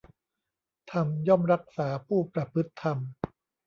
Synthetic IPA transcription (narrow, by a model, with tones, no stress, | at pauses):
t̪ʰa˧mjɔː˥˩mɾa˦˥k̚saː˩˦pʰuː˥˩pɾa˧pʰɯ˦˥t̪ʰːa˧m